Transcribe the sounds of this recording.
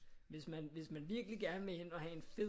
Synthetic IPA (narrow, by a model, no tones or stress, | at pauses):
ʋe̝smænʋe̝smænʋiɐɡ̥liɡ̥æɐnʋee̝n̰ɒ̽hæe̝nfe̝ð